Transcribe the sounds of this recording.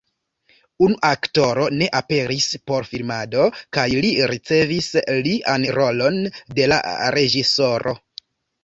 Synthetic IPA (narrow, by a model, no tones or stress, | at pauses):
unuʔakto̞ɾo̞ne̞ʔape̞ɾispo̞ɾfilmado̞kajliɾit͡se̞visliʔanɾo̞lo̞nde̞la̰ɾe̞d͡ʒiso̞ɾo̞̰